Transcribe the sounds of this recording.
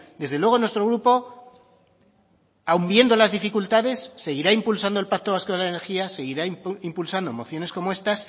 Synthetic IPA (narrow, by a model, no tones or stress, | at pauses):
d̪e̞zðelwe̞ɣ̞o̞nwest̪ɾo̞ɣɾupo̞ | aumbje̞nd̪o̞lazðifikult̪aðe̞sːe̞ɣiɾaimpulsand̪olpak̚t̪o̞βaskoðelaene̞ɾxiase̞ɣiɾaimpulsand̪omo̞θjo̞ne̞sko̞mo̞e̞st̪as